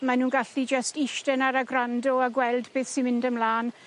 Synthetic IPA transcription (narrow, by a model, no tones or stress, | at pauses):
manuːnɡaɬid͡ʒəstiʃtɛnaɾaɡrandɔaɡwɛlˠdbeːθsinmɪndəmlaːn